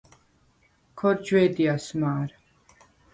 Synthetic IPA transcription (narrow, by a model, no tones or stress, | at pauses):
kʰɔɾd͡ʒwɛːd̪iasmaːɾ